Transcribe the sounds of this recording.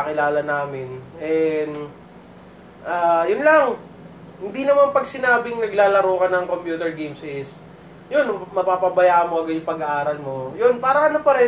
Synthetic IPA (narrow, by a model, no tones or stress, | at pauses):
kɪlaːlɐnaːmɪnʔɛn | ʔaːjʊnlɐŋ | hɪnd̪inɐmanpɐɡsɪnaːbɪŋnɐɡlaːlɐɾoːkɐnɐŋkompjuːt̪ɛɹɡejmsɪs | jonmɐpaːpɐbɐjaʔɐmoɐɡɐjʊŋpɐɡɐʔaːɾɐlmo̞jonpaːɾɐkɐnopɐɾɛ